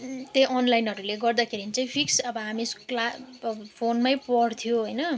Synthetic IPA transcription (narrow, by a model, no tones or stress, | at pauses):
t̪ejʔʌnlajnɦʌɾuleɡʌrd̪akʰeɾinit͡saĩpʰiksʌbʌɦamisklabpʰonmajpʌɽt̪ʰjoɦojnʌ